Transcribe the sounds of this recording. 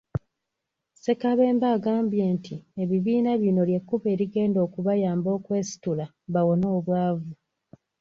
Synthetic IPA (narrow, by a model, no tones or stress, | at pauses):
se̞kaβe̞ːmbaːɡaːmbje̞ːntʰieβiβiːnaβjino̞ljekːuβe̞ːɾiɡe̞ːndo̞ːkuβajaːmbo̞ːkwe̞ːsi̥tula | βawo̞no̞ːβwaːvu